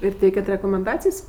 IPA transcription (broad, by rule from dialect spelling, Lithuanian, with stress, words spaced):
ɪr ˈtʲɛɪkʲɛt rʲɛkoːmʲɛnˈdɑːt͡sʲɪjsʲ